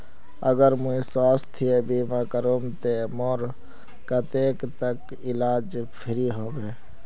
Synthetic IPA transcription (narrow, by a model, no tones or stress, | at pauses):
ə̰ɡəɾmuisaːst̪ʰiebimakəɾomt̪emoɾ | kət̪eːkt̪ək | ɪlaːd͡ʒ | pʰɪɾiɦoːbe